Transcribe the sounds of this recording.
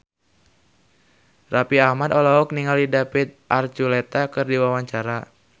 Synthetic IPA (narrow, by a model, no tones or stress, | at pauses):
rapiahmad̪ɔlaɔk̚niŋalidapɪt̪̚ʔart͡ʃulɛt̪akɨrdiwawaɲt͡ʃaɾa